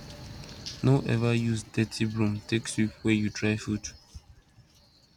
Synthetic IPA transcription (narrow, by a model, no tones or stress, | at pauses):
nʔoʔɛ̰vajuzdɛtʰibɹũmtʰeksjuwɛjutɹaɪfud